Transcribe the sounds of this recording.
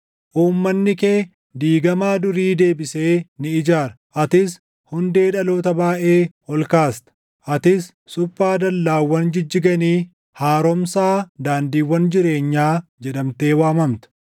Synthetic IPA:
ʔuːmːɐnːɪkeː | d̪iːɡɐmaːd̪ʊɾiːd̪e̞ːbɪse̞ːnɪɪd͡ʒaːɾɐʔɐt̪ɪs | hʊnd̪e̞ːᶑɐloːt̪ɐbaːʔe̞ː | ɔlkaːst̪ɐ̥ | ʔɐt̪ɪsːʊfːaːd̪ɐlːaːwːɐnd͡ʒɪd͡ʒːɪɡɐniː | haːɾɔmsaːd̪aːnd̪iːwːɐnd͡ʒɪɾe̞ːɲːaːd͡ʒɛᶑɐmt̪e̞ːwaːmɐmt̪ɐ̥

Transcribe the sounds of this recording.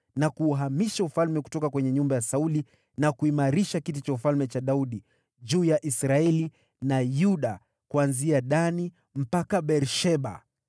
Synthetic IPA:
nakuːɦamiʃaufalmɛku̥tɔkakwɛɲɛɲumbajasauli | nakuimaɾiʃakitit͡ʃaufalmɛt͡ʃaɗauɗi | ʄuːjaʔisɾaɛli | najuɗa | kuanziaɗani | m̩pakaɓɛɾʃɛɓa̰

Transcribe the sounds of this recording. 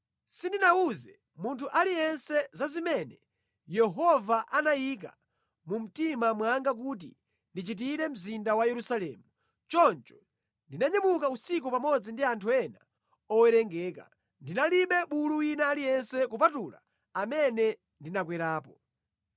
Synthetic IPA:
sindinauzɛ | muntʰuʔalijɛnsɛzazimɛnɛ | jɛɦɔvaʔanajik̬a̰ | mum̩timamwaŋɡak̬ut̬ḭ | ndit͡ʃit̬iɾɛm̩zindawajɛɾusalɛ̰ːmu | t͡ʃɔnt͡ʃɔ̥ | ndinaɲɛmukausik̬upamɔd͡zindiantʰuɛna | ɔwɛɾɛŋɡɛːka̰ | ndinaliɓɛɓuluwinaːlijɛnsɛkup̬atula̰ | amɛnɛ | ndinak̬wɛɾaːpɔ

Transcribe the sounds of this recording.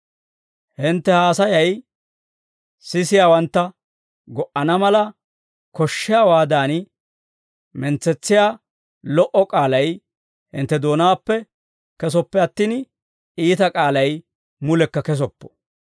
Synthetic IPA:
hɪnt̪ːɛhaːsɐjɐj | sɪsɪjaːwɐnt̪ːɐ | ɡɔʔɐnɐmɐlɐ | kɔʃːɪjaːwaːd̪aːn | mɛnt͡sːɛt͡sːɪjaː | lɔʔɔkʼaːlɐj | hɪ̰nt̪ːɛd̪o̞ːnaːpːɛ | kɛs̬ɔpːɛɐt̪ːiːn | iːt̪ɐkʼaːlɐj | mʊlɛkːɐkɛs̬ɔpːɔ̥

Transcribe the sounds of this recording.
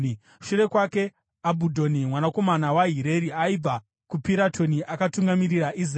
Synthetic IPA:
ʃure̞kwake̞ | abʱudʱo̞nimwanako̞manawaɦiɾe̞ɾiaib͡va | kupiɾatʰo̞niʔakatuŋɡamiɾiraʔis̬r

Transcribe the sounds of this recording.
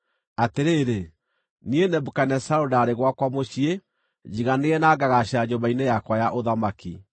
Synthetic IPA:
ateɾeːɾe | nienɛbukanɛsaodaːɾeɣwakwamoɕie | d͡ʑiɣaneɛnaːɡaɣaɕaɲoβainɛjakwajaʔoðamaki

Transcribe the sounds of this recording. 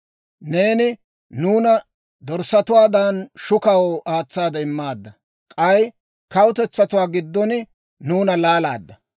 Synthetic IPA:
ne̞ːnɪ | nuːnɐ | d̪ɔɾsɐt̪ʊwaːd̪anʃʊkɐwɔʔaːt͡sːaːd̪ɐɪmːaːd̪ːɐ | kʼɐj | kɐwʊt̪ɛt͡sːɐt̪ʊwaːɡɪd̪ːɔn | nuːnɐlaːlaːd̪ːɐ

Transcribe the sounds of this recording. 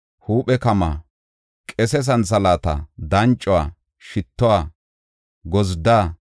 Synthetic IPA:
huːpʼɛkɐma̰ː | kʼɛs̬ɛs̬ɐnsɐlaːt̪ɐ̰d̪ɐnt͡ʃʼːɔwaː | ʃɪt̪ːɔwaː | ɡɔzd̪aː

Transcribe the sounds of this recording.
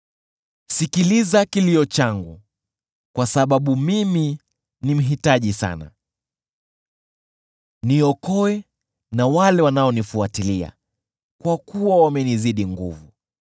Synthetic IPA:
sikilizakiliɔt͡ʃaŋɡṵ | kwasaɓaɓumimi | nim̩ɦitaʄisa̰na̰ | niɔkɔɛ | nawalɛwanaɔnifuatilia̰ | kwakuwawamɛniziɗiŋɡṵvu

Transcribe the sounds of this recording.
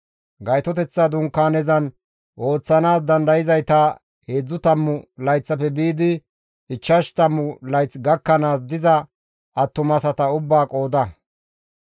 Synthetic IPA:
ɡɐjt̪ɔt̪ɛt͡sːɐd̪ʊŋkːaːnɛzɐn | ʔo̞ːt͡sːɐnaːs̬d̪ɐnd̪ɐjɪzɐjt̪ɐ | he̞ːd͡zːʊt̪ɐmːʊlɐjt͡sːɐpɛbiːd̪ɪ | ɪt͡ʃːɐʃt̪ɐmːʊlɐjt͡sɡɐkːɐnaːsd̪ɪzɐ | ɐt̪ːʊmɐsɐt̪ɐʊbːaːkʼo̞ːd̪ɐ

